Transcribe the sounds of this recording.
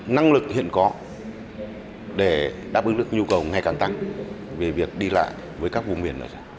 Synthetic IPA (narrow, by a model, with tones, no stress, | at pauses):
na˧ŋlɨ˨˩k̚hḭ˧˨ənkɔ˨˦ | ɗe˧˩ɗaː˦˥p̚ɨ˨˦ŋlɨ˦˩k̚ɲu˧kə˨˩wŋa˨˩jkaː˨˩nt̪a˧ŋ | ve˨˩vi˨˩ək̚ɗi˧la̰ː˧˨j | vəː˨˦jkaː˦˥k̚vṵ˧˨ŋ͡mmi˧˩ənːʔə̰˧˨˩za˧˩